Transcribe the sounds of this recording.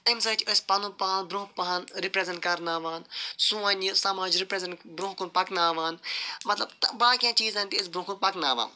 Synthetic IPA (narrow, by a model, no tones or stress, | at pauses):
t̪ɐms̬ɐt͡ʃʰəsʲpɐnũpaanbɾõːk̚paɦanɾipɾezɐɳʈkɐɾnaːʋaːnsũãːnʲisamaːd͡ʒɾipɾezeɳbɾõːkunpɐknaːʋaːnmɐt̪lɐbt̪baːkʲãːt͡ʃiːzainʲt̪iəs̬bɾõːkunpɐknaːʋa̰ːn